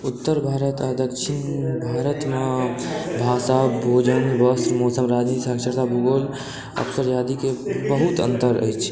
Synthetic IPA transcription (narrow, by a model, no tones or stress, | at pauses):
ut̪ːəɾbʱaːɾət̪ad̪əkʃʰin | bʱaɾət̪mẽ | bʱaːsabʱod͡ʒənbəsɾmɔsəmɾad͡ʒnit̪isəksəɾt̪abuɡol | ə̰bsəɾjad̪ikebəɦut̪ə̰nt̪əɾə̰jt͡ʃʰ